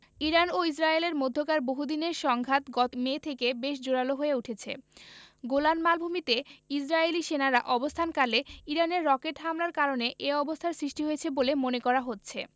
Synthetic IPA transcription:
iɾanois̬ɾaeleɾmod̪ʱːokaɾboɦud̪ineɾʃɔŋɡʱat̪ɡɔmet̪ʰekebeʃd͡ʑoɾaloɦoeuʈʰet͡ɕʰḛɡolanmalbʱumit̪eisɾaeliʃenaɾaʔɔbost̪ʰankaleiɾaneɾːɔkeʈɦamlaɾkaɾoneʔeɔbost̪ʰaɾsɾiʃʈiɦojet͡ɕʰebolemonekɔɾaɦotːɕʰḛ

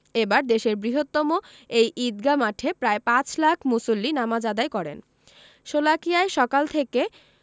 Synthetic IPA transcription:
ebaɾd̪eʃeɾbɾiɦot̪ːɔmo | ejʔid̪ɡamaʈʰepɾaepãt͡ɕlakʰmusolːinamad͡ʑad̪aekɔɾḛn | ʃolakijaeʃɔkalt̪ʰeke

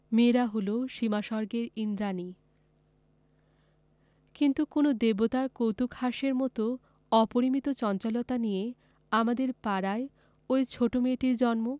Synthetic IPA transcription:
meɾaɦoloʃimaʃɔɾɡeɾind̪ɾani | kint̪ukonod̪ebot̪aɾkowt̪ukhaʃeɾmɔt̪o | ɔpoɾimit̪ot͡ɕɔnt͡ɕɔlot̪anije | amad̪eɾpaɾae | ojt͡ɕʰoʈomeʈiɾd͡ʑɔnmo

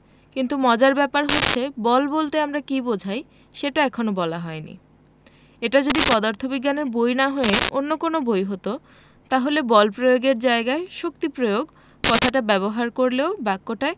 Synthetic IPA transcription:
kint̪umɔd͡ʑaɾbɛpaɾɦotːɕʰebɔlbolt̪eamɾakibod͡ʑʱaj | ʃeʈaɛkʰonobɔlaɦɔenḭ | eʈad͡ʑod̪ipɔd̪aɾt̪ʰobiɡːaneɾbojnaɦɔeʔonːokonobojɦot̪o | t̪aɦolebɔlpɾojoɡeɾd͡ʑaeɡaeʃok̚t̪ipɾojoɡ | kɔt̪ʰaʈabɛβoɦaɾkoɾleobakːoʈae

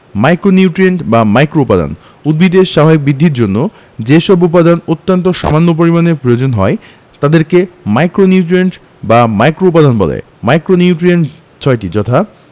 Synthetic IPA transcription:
majkɾoniuʈɾieɳʈbamajkɾoupad̪a̰n | ud̪̚bid̪eʃaɦabik̚bid̪ʱːiɾd͡ʑonːo | d͡ʑeʃɔbup̬ad̪anot̪ːant̪oʃa̰manːop̬oɾimanepɾojod͡ʑonɦɔe | t̪ad̪eɾkemajkɾoniuʈɾieɳʈ | bamajkɾoup̬ad̪anbɔ̰lḛ | majkɾoniuʈɾieɳʈ | t͡ɕʰɔeʈid͡ʑɔt̪ʰa

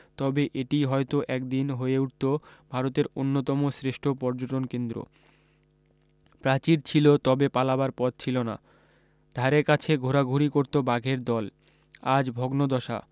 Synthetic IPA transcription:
t̪ɔbeʔeʈiɦɔet̪oʔɛkd̪inɦoeuʈ̚t̪obʱaɾot̪eɾonːot̪ɔmosɾeʃʈʰopɔɾd͡ʑoʈonkend̪ɾo̰ | pɾat͡ɕiɾt͡ɕʰilot̪ɔbepalabaɾpɔd̪̚t͡ɕʰilona̰ | d̪ʱaɾeɾkat͡ɕʰeɡʱoɾaɡʱuɾikoɾt̪obaɡʱeɾd̪ɔl | ad͡ʑbʱɔɡnod̪ɔʃa̰

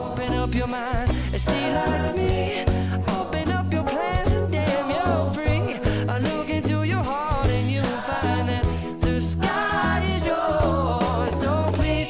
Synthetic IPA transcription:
oʊpɨ̃nʌpjə˞mãɪ̃n | ɨsilak̚mi | oʊpɨ̃nʌpjə˞pʰl̥æ̃nzɨ̃ndæ̃mjəfɹiəlʊkɪ̃ntujə˞ɦɑɹɾɨ̃njɨfãɪ̃nðɨt̪̚ | ðɨskaɪzjə˞ɔsoʊpʰl̥iz

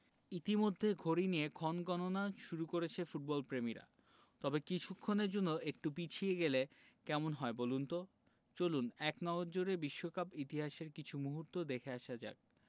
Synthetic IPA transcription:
it̪imod̪ʱːeɡʱoɾinijekʰɔnɡɔnonaʃuɾukoɾet͡ɕʰefuʈ̚bɔlpɾemiɾa̰ | t̪ɔbekit͡ɕʰukʰːoneɾd͡ʑonːoʔek̚ʈupit͡ɕʰieɡele | kɛmonɦɔebolunt̪o | t͡ɕolunɛknɔɡoɾd͡ʑoɾebiʃːokapit̪iɦaʃeɾkit͡ɕʰumuɦuɾt̪od̪ekʰeaʃad͡ʑa̰k̚

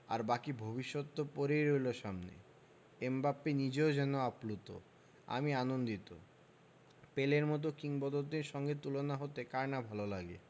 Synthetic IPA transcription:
a̰ɾbakibʱobiʃːot̪ːopoɾejɾojloʃamnḛ | embapːenid͡ʑeod͡ʑɛnoaplut̪o̰ | a̰mianond̪it̪o̰ | peleɾmɔt̪̬okiŋbɔd̪od̪iɾʃɔŋɡet̪ulonaɦot̪ekaɾnabʱalolaɡḛ

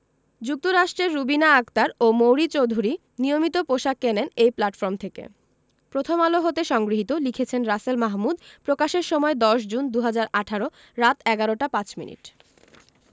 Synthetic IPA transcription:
d͡ʑuk̚t̪oɾaʃʈɾeɾːubinaakt̪aɾomowɾit͡ɕowd̪ʱuɾi | niomit̪opoʃakːenenejplaʈfoɾmt̪ʰekḛ | pɾot̪ʰomaloɦot̪eʃɔŋɡɾiɦit̪olikʰet͡ɕʰenɾaselmaɦmud̪pɾokaʃeɾʃɔmɔed̪ɔʃ̬d͡ʑund̪uɦad͡ʑaɾaʈʰaɾo | ɾat̪ɛɡaɾoʈapãt͡ɕmḭnḭʈ

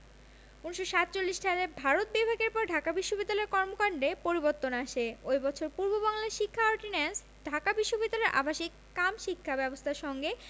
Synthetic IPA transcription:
unʃoʃat̪t͡ɕolːiʃʈʰaɾebʱaɾot̪̚bibʱaɡeɾpɔɾɖʱakabiʃːobid̪ːalɔeɾkɔɾmokaɳɖepoɾiboɾt̪ːonaʃeojbɔt͡ɕʰoɾpuɾbobaŋlaɾʃikʰːaɔɾʈinens | ɖʱakabiʃːobid̪ːaleɾʔa̰bʱaʃikːamʃikʰːabɛbost̪ʰaɾʃɔŋɡe

